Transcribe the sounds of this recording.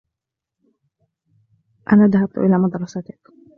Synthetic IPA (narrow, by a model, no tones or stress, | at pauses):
ʔa̰naːðaɦab̚t̪ʊ̰ʔɪlaːmɑd̪ɾˤɑsat̪ɪk